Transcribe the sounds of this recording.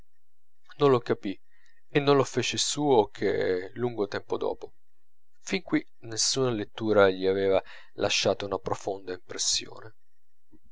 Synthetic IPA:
nõnlokapi | enːõnlofeːt͡ʃesuːokʰḛluŋɡot̪ɛmpod̪ɔ̰ːpo | fiŋkwi | nesːuːnalet̪ːuːɾaʎiaveːva | lʔa̰ʃːaːt̪ounapɾofond̪aimpɾesːjo̰ːne

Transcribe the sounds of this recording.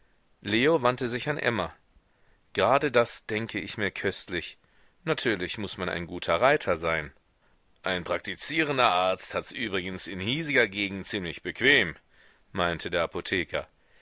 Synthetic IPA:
leːovantəzɪçanʔɛ̰mɐ | ɡ̥əʁaːdədasd̥ɛŋkʰəɪçmiːɐkʰœstlɪç | natʰyːɐlɪçmʊsmana̰ɪnɡuːtʰɐʁaɪtʰɐzaɪn | ʔaɪnpʁ̥ak̚tit͡siːʁ̞əndɐʔaɐt͡sthatsʔyːbʁɪɡən̩sɪnhiːzɪɡɐɡeːɡŋ̩t̚t͡siːmlɪçb̥əkv̥eːm | maɪntʰədeːɐʔapotʰeːkʰɐ

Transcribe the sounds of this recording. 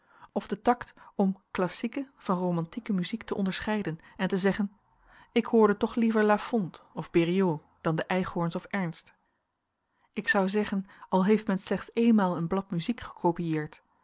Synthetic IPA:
ɔvdətɑktɔmklɑsikəv̥ɑnrowmɑntikəmyziktəʔɔndəɹsχɛjdənɛntəzɛχən | ɪkhʊːɹdətɔχlivəɹlafɔntɔvbeːrio | d̥ɑndəʔɛjχhɔɹnsɔfɛɹnst | ɪksɑwzɛχənɑlˠɦejftmɛnslɛχtsejnmaːlˠənblɑtmyzikχə̥kʰowpijɪːɹt

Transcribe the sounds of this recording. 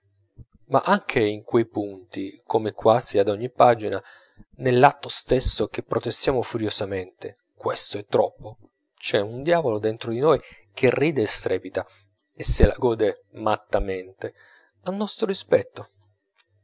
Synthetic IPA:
ma̰ʔaŋk̟ʰeiŋkwejpunt̪ikʰomekwaːziad̪ɔɲːipːaːd͡ʒina | nelːat̪ːost̪esːok̟epːɾot̪est̪jaːmofuɾjosament̪e | kwest̪oɛt̪ːɾɔpːo | t͡ʃɛund̪jaːvolod̪ent̪ɾod̪inoj | k̟erːiːd̪eːst̪ɾʔɛːpit̪a | esːela̰ɡɔːd̪emat̪ːament̪e | anːɔst̪ɾoɾispɛt̪ːo

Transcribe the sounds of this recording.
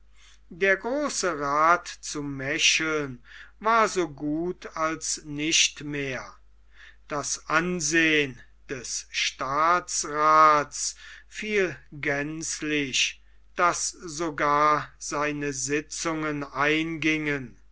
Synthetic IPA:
deːɐɡʁoːsəʁaːtt͡sumɛʃl̩nvaːɐzoːɡuːtʰalsnɪʃtmeːɐ | d̥asʔanzeːən | d̥ɛsʃtaːtsʁaːtsfiːlɡɛnslɪɕ | d̥aszoɡaːɐz̥aɪnəzɪt͡sʊŋənaɪnɡɪŋən

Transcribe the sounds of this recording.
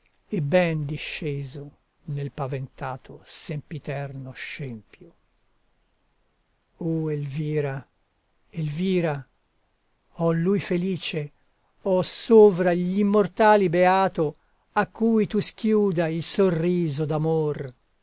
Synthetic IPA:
ebːɛnd̪iʃːeːzo | nelpavent̪aːt̪ʰosempit̪ɛrnoʃɛmpjo | oelviːɾa | elviːɾa | ɔlːujfeliːt͡ʃe | ɔsoːvɾaʎimːort̪aːlibeaːt̪o | akːuːjt̪usk̟juːd̪ailsorːiːzod̪amor

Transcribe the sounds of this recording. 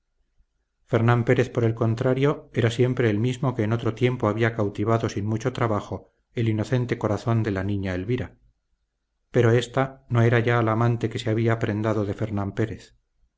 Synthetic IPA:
fe̞ɾnãmpe̞ɾe̞θpo̞ɾe̞lko̞nt̪ɾaɾjo̞e̞ɾasje̞mpɾe̞ːlmizmo̞ke̞ːno̞t̪ɾo̞t̪je̞mpo̞aβiakawt̪iβ̞aðo̞sinmut͡ʃo̞t̪ɾaβaxo̞ | e̞lino̞θe̞nt̪e̞ko̞ɾaθo̞nd̪e̞lanĩɲaelβiɾa | pe̞ɾo̞e̞st̪ano̞e̞ɾaʝaːlamãnt̪e̞ke̞seaβ̞iaːpɾe̞nd̪aðoðe̞fe̞ɾnãmpe̞ɾeθ

